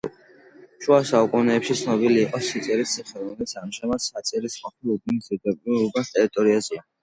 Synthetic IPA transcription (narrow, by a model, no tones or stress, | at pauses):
ʃwasaukʼunɛːpʃit̪sʰnɔbiliːqʼɔsit̪sʼɛɾissʰiχɛɾɔmɛlit̪sʰamʒamad̪sat̪sʼɛɾisqʼɔpʰilud̪nisd̪iɾd̪abʼliɾubast̪ʼɛɾit̪ʼɔɾiazia